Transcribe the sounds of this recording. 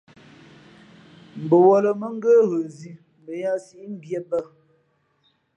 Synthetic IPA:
m̩˨bə˨wɔ˨lə˨mə˦ŋ˦ɡə˦ɣə˨zi˨ | m˨bə˨ja˦si˦ʔi˦m̩˦bje˦bə˦˨

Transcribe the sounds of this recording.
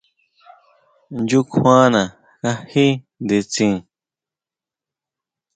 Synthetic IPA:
nd͡ʒu˦kʰwã˦nã˨ | ka˧hi˦ | nd̪e˧t͡sĩ˧˨

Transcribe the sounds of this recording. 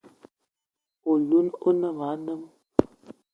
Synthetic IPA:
o˨lu˦no˦nə˦˨ŋa˨˦nə˦m

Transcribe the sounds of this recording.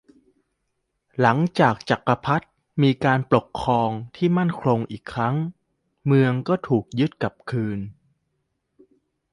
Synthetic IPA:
la˩˦ŋt͡ɕaː˨˩k̚t͡ɕa˨˩kːa˧pʰa˦˥t̪̚ | miː˧kaː˧npɾo˨˩kʰːɔː˧ŋt̪ʰiː˥˩ma˥˩nkʰɾo˧ŋʔiː˨˩kʰːɾa˦˥ŋ | mɯ˧əŋkɔː˥˩t̪ʰuː˨˩k̚jɯ˦˥t̪̚ka˨˩p̚kʰɯː˧n

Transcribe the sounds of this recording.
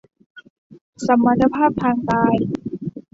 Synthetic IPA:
sa˧˦mːa˧t̪ʰːa˧pʰaː˥˩p̚t̪ʰaː˧ŋkaː˧j

